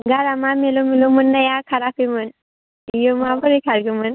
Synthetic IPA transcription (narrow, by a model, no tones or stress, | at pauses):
ɡaɾamamelomilomunːajakʰaɾapimɨn | jomabəɾikʰaɾɡimɯn